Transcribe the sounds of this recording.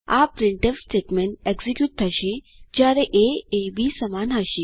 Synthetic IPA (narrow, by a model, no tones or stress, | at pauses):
a̰pɾiɳʈəʋsʈeʈmeɳʈeɡzikjuːʈ̪̚t̪ʰəɕe | d͡ʑaɾeʔeebisəmanaɕi